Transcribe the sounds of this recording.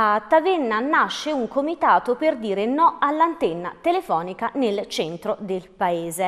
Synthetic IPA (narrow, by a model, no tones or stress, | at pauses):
at̪ːavenːanːaʃːeuŋkomit̪aːt̪operd̪iːɾenɔalːant̪enːat̪elefɔːnikanelt͡ʃɛnt̪ɾod̪elpaeːze